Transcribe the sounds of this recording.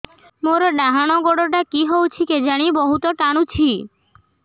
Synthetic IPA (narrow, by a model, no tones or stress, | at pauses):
moɾɖaɦañoɡoɽoʈakiɦowt͡ɕʰiked͡ʑaɽ̃ibɔɦut̪oʈaɽ̃ut͡ɕʰi